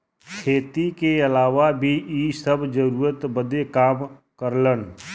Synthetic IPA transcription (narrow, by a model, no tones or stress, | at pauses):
kʰeːt̪ikeɐlaːʋabʱiʔisəbʱd͡ʒəɾuːɾət̪bəd̪ekaːmkəɾlən